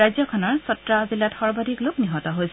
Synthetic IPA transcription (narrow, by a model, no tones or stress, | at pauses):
ajzjɔkʰɔnɔɹsɔtɹazilːatxɔɹbadiklʊkniɦɔtɔɦojsɛ